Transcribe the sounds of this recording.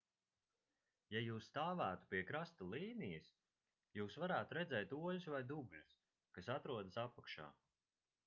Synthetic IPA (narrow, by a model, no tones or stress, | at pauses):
jajuːst̪aːvæːt̪u̥piɛkɾast̪alˠiːnijɐs | juːsvaɾæːt̪uɾɛd̪zɛːjt̪uɔʎusvajd̪ublus | kasat̪ɾuɔd̪asapakʃa̰ː